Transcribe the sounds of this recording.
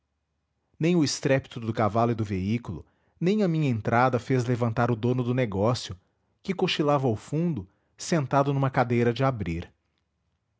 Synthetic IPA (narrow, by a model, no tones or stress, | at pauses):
nẽj̃ʊɪst̪ɾɛpi̥t̪ʊd̪ʊkavalʊɪd̪ʊveikulʊ̰ | nẽj̃ɐmĩɲɐẽnt̪ɾʔad̪ɐfezlevɐ̃nt̪aɾʊd̪õnʊd̪ʊneɡɔsjʊ | kɪkoʃilavɐawfũnd̪ʊ | sẽnt̪ad̪ʊnũmɐkad̪ejɾɐd͡ʒɪabɾiɾ